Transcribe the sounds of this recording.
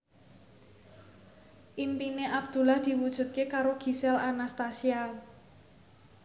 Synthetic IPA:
ʔimpineʔab̚d̪̥ṳlahd̪̥i̤wud̥ʒ̥ṳt̪̚kekaɾoɡ̥i̤sɛlanast̪asial

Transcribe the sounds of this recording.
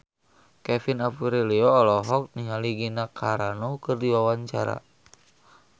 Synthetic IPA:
kɛfinapuɾɛlɛɔːlɔɦɔk̚niɦaliɡinakʰaɾanɔkɨrdiwawaɲt͡ʃa̰ɾa̰

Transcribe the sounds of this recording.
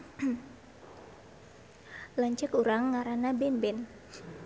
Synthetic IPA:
laɲt͡ʃəkuɾaŋːaɾanabɛmbɛn

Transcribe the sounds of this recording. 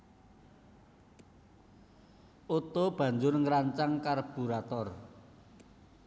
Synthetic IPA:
ʔot̪ob̥ä̤ɲd͡ʒʊrŋɾaɲt͡ʃaŋkarb̥ṳɾat̪ɔr

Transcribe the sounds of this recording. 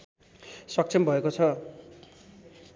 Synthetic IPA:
swak̚t͡sʰembʱʌekot͡sʰʌ

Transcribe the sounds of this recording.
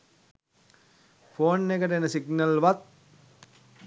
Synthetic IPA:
fʰoːnːekəʈəenəsiɡnəlʋat̪̚

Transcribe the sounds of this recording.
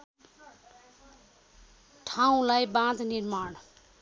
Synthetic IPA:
ʈʰaw̃ũlajbãd̪ʱnirmaɽ

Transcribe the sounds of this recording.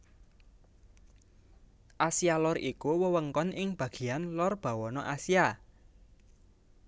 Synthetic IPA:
ʔasialɔrikuwəwəŋkɔnʔɪŋb̥ä̤ɡ̥i̤anlɔrb̥a̤wɔnɔʔasia

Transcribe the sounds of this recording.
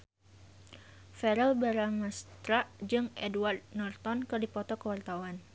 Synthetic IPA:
fɛɾɛlbaɾaŋast̪ɾad͡ʒɨŋʔɛduward̪̚nɔrt̪ɔnkɨrdipɔt̪ɔkəwart̪awan

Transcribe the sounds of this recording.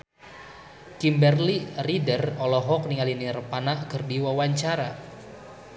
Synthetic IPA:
kimbɛrliridərɔlɔɦɔk̚niŋalinirəpanaʔkərdiwawaɲt͡ʃaɾa

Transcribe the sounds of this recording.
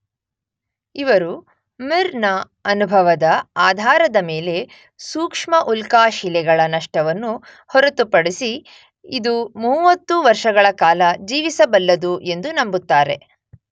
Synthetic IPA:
iʋɐɾu | miɾnɐ | ɐnubʱɐʋɐd̪ɐaːd̪ʱaːɾɐd̪ɐmeːle̞ | suːkʂmɐʔulkaːʃilɛɡɐɭɐnɐʂʈɐʋɐnːu | hɔɾɐt̪upɐɽisi | id̪umuːʋɐt̪ːuʋɐɾʂɐɡɐɭɐkaːlɐd͡ʒiːʋisɐbɐlːɐd̪uʔe̞nd̪unɐmbut̪ːaːɾe̞̰

